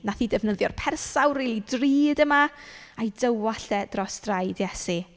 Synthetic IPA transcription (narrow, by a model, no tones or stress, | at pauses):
naθiːdɛvnəðjɔrpʰɛrsawriːlˠidriːdəmaajdəwaɬɛd̥rɔsd̥rajdjɛsi